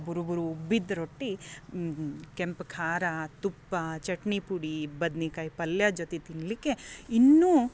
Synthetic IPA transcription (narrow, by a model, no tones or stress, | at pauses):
buɾubuɾubid̪ɾoʈːi | kempkʰaːɾat̪upːɐt͡ʃɐʈɳipuɽibɐd̪nikajpɐljad͡ʒot̪et̪inlikːeinːuː